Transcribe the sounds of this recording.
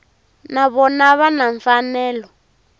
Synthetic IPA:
naβɔnaβanaɱfanɛːlɔ

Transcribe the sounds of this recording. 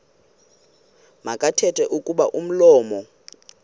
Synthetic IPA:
makʼatʰɛtʰʼɛʔukʼuɓaʔum̩lɔːmɔ

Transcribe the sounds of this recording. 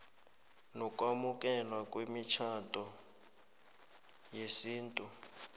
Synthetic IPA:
nɔk̬ʼwamuk̬ʼɛlwak̬ʼwemit͡ʃʰatʼɔ | jesiːntʼu

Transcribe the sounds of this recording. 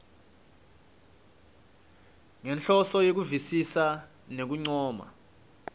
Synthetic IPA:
ŋɛnɬɔsɔjek̬uvisisa | nek̬uŋ͡ǀɔːma̰

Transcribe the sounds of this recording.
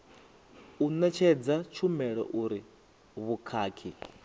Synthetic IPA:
unat͡ʃʰɛd͡zat͡ʃʰumɛɺɔ̰ʔuɾi | βukʰaːkʰi

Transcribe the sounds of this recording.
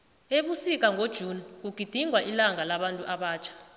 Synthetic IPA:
eɓusik̬ʼaŋʱod̥ʒ̥ʱuːnik̬uɡ̥ʱid̥ʱiŋʱwaʔilaŋʱalaɓantʼuʔaɓaːt͡ʃʰḁ

